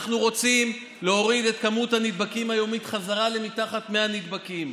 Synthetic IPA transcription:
χnuʁo̞t͡sim | le̞o̞ʁid̪e̞t̪kamuthanid̚bakimhajo̞mitχazaʁale̞mit̪aχat̪meanid̪bakim

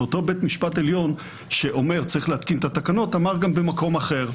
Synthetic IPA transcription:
ot̪o̞be̞t̪miʃpateljo̞n | ʃeʔo̞me̞ʁt͡saʁiχlehat̪kint̪at̪akano̞t̪amaʁɡambemako̞maχe̞ʁ

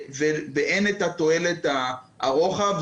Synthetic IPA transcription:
veveʔenet̪at̪o̞elet̪a | aʁoχav

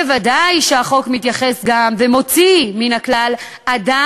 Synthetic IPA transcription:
evadajʃeaχo̞kmitjaχe̞sɡamvemo̞t͡siminaklal | ada

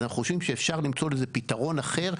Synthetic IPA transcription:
naχuχoʃvimʃeːfʃaʁlimt͡so̞lezepitaʁo̞naχe̞ʁ

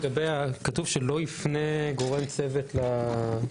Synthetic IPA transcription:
ɡabejakatuvʃelo̞ifneɡo̞ʁe̞mt͡se̞vet̪la

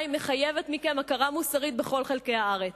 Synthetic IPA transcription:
imːeχajevet̪mikemakaʁamusaʁit̪̚beχo̞lχelkejhaaʁet͡s

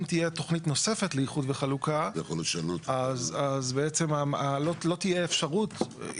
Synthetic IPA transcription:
mt̪ijet̪o̞χnit̪no̞se̞fetlejiχudveχalukajaχoljot̪ʃalut̪azazbeet͡se̞maalolo̞t̪ijeːfʃaʁut

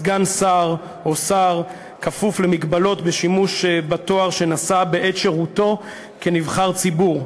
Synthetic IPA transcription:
ɡansaʁ | o̞saʁ | kafufle̞mikbalo̞tbeʃimuʃbato̞aʁʃe̞nasabeʔetʃe̞ʁuto̞ | kenivχaʁt͡sibuʁ

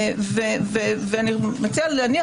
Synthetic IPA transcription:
veveveanimat͡sialani

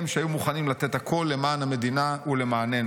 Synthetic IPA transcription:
mʃeajumuχanimlat̪e̞t̪hakʰo̞lːe̞maːnhame̞dinaule̞maːne̞n

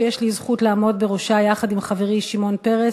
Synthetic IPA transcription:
jeʃlizχutlaːmo̞d̪beʁoʃajaχadimχaveʁiʃimo̞npe̞ʁe

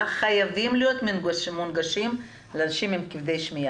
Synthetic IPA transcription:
χajavimlijot̪minɡaʃmunɡaʃim | leanaʃimimkivd̪ejʃmija

